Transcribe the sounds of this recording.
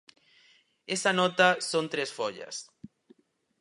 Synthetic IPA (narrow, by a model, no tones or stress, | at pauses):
esanɔt̪asõnt̪ɾesfoʎɐ̰s